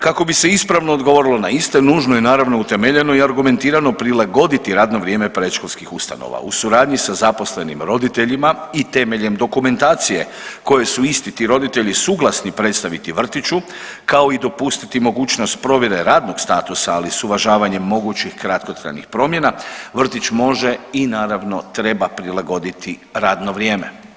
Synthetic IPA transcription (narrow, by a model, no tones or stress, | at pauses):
kako̞bise̞ispɾaʋno̞ːd̪ɡoʋo̞ːɾilˠo̞naist̪e̞nuːʒno̞jenaːɾaʋno̞ut̪emeʎe̞no̞iaɾɡume̞nt̪iːɾano̞pɾilaɡo̞d̪it̪iɾaːd̪no̞ʋɾje̞ːme̞pɾe̞ʃko̞lˠskixust̪a̰no̰ʋa̰ṵsuɾaːd̪ɲisazapo̞sle̞nḭmɾo̞d̪it̪e̞ʎimait̪e̞me̞ʎe̞md̪o̞kume̞nt̪aːt̪sije̞̰ | ko̞je̞suist̪it̪iːɾo̞d̪it̪e̞ʎisuːɡlˠasnipɾe̞t̪st̪aʋit̪iʋr̩t̪it͡ʃu | kao̞id̪o̞pust̪it̪imo̞ɡuːt͡ʃno̞st̪pɾo̞ʋjeɾe̞ɾaːd̪no̞ɡst̪aːt̪usaːlisuʋaʒaːʋaɲe̞mːo̞ɡuːt͡ɕixkɾat̪ko̞t̪ɾa̰jnixpɾo̞ːmje̞naʋr̩t̪it͡ʃmo̞ʒe̞inaːɾaʋno̞t̪ɾe̞bapɾilaɡo̞d̪it̪ʰiɾaːd̪no̞ʋɾjeːme̞̰